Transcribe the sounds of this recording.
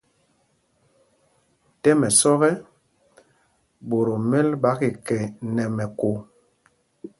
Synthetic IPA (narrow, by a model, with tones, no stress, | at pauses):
tɛ˦mɛ˨sɔ˦ɣɛ˦ | bo˨ɾo˨me˦lba˨˦ki˨kɛ˨nɛ˨mɛ˨ko˨